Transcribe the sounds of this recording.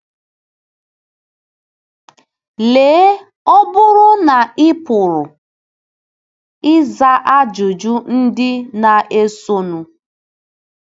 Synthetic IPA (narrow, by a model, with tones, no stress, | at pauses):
leː˨˦ | ɔ˦bʊ˦ɾʊ˦na˨ɪ˦pʊ˨ɾʊ˨ | ɪ˦za˦ʔa˦d͡ʒʊ˨d͡ʒu˦n̩˦dɪ˦na˨ʔe˦so˦nu˨